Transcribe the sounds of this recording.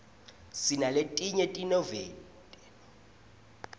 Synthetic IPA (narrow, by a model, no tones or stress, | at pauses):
sinaletʼiɲetʼinɔvɛːn | tʼɛ̥